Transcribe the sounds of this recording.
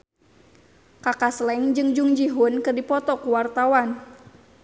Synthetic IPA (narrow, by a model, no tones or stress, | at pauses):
kakaslɛŋd͡ʒɨŋd͡ʒuŋd͡ʒiɦʊnkɨrdipɔt̪ɔkuwart̪awan